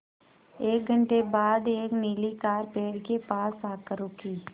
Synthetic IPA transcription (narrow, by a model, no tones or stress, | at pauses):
eːk̚ɡʱə̃ɳʈebaːd̪eːkniːlikaːɾpeːɽkepaːspaːkəɾukʰiː